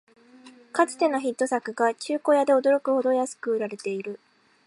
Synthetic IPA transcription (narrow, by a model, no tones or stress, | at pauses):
kat͡sɨ̥t̪e̞noçit̪ːo̞sakɯ̟ɡat͡ɕɨːko̞jad̪e̞o̞d̪o̞ɾo̞kɯ̟ho̞d̪o̞jasɨ̥kɯːɾaɾe̞t̪e̞iɾɯ̟